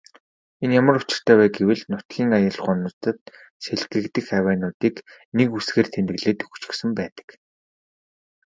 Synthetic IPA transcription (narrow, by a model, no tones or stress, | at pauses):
enjamə̆rʊt͡ɕɪ̆r̥t̪ʰæːwæːɡewɘ̆ɮnʊt̪ɡʲiːŋajə̆ɮχʊnʊ̆t̪ə̆t̪̚ | seɮɡɘ̆kt̪ɘ̆xæwæːnʊːt̪iːknekusɡeːrt̪ʰent̪ɘ̆ɣɮeːt̪ɵ̥xt͡ɕɪ̆ksɘ̆mpæːt̪ə̥̆k